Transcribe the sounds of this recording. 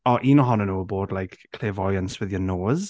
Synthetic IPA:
ɔʔiːnɔɦɔnənuːboːdlajkkʰl̥evɔjənswɪðjənoːz̥

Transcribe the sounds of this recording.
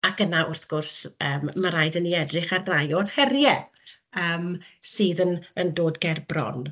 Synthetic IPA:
akənaʔʊrθɡ̥ʊrsəːmːaɾajdəniɛdrɪχarrajɔrhɛrjɛ | əːmsɨːðənəndoːdɡɛrbrɔ̰n

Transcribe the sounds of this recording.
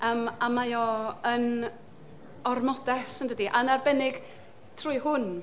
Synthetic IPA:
əmamajɔən | ɔrmɔdɛsəndədiʔanarbɛnɪɡ̥ | tʰrʊːɨhʊn

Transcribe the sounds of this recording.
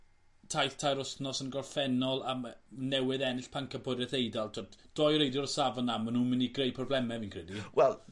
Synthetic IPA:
tʰajθtʰajɾʊsnɔsənɡɔrˠfɛnɔlˠamnɛwɪðɛnɪɬpʰaŋkʰəpʰɔdɛθejdalˠtʰodd̥ɔjrejdjɔrsavɔnamanuːmɪniɡrejpʰrɔblɛmɛviːnkʰr̥ɛdiwɛlˠ

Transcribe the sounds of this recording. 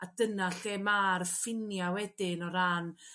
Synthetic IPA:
ad̥ənaɬeːmaːrfɪnjawɛdɪnɔɾaːn

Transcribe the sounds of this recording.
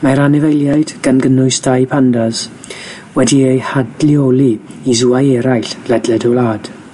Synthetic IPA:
maɾanɛvejlˠjajd̥ɡ̥anɡənʊɨsd̥ajpʰandaz̥ | wɛdiejhadliolˠiizuajɛɾajɬlɛdlɛdɔlaːd̥

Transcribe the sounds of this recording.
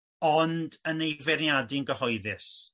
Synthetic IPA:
ɔndənejvɛrnjadɪənɡəhɔɨðɪs

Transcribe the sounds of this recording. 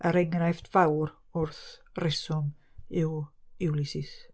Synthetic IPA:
əɾɛŋrajftvawɾ | ʊrθrɪsɔmɪwɪwlˠɪsɪs

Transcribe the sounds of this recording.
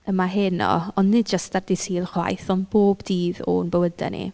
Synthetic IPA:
əmaɦɪnɔ̰ɔnnɪdd͡ʒəstd̥arditʰiːlˠχwa̰jθɔnb̥oːbdiːðo̰nbəwədɛ̰nḭ

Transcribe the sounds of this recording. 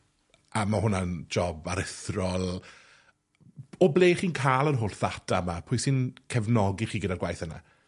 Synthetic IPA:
amaɦʊnand͡ʒɔbaɾɪθrɔlˠ | ɔblˠeːχiːnkʰaːlˠənɦʊrθatʰamapʰʊjsɪnkʰɛvnɔɡɪχiːɡɪdaɡwajθəna̰

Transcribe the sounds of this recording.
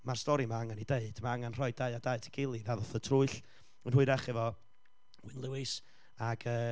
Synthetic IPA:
marstɔɾimaaŋanideɨd̥maaŋanr̥ɔɨdaɨadaɨtʰəɡɪlˠivaðɔθətʰrʊɨɬ | ənhʊɨɾɛχɪvɔ | wɪnlˠʊwɪs | aɡ̥əː

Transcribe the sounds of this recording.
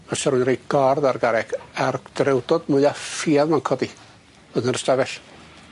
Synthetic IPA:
ɔʃaɾunrejɡ̥ɔrðarɡaɾɛɡ̥ard̥ɾɛwdɔdmʊjafiaðmaŋkʰɔdi | ədənəstavɛɬ

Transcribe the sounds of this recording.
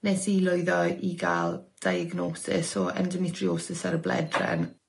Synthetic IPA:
nɛsilˠʊɨðɔiɡaːlˠd̥ajəɡnɔːsɪ̰sɔɛ̰ndəmɪtʰrioːsɪsaɾəblɛ̰drɛ̰n

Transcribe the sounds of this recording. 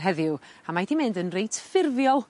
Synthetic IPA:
ɦɛðɪwamajθimɪndənrejtʰfɪrvjɔlˠ

